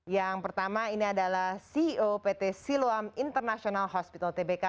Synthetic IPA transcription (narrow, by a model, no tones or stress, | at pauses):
jaŋpərt̪amainiadalahsiopet̪esiloamint̪ərnasionalɦɔspit̪alt̪ebeka